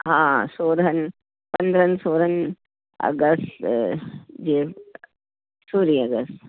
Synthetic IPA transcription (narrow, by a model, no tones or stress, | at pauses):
ɦãːsoːɾɦɐn | pɐnd̪ɾɐnsoːɾɐn | ɐ̰ɡɐst | d͡ʒeː | suːɾiɐɡəst̪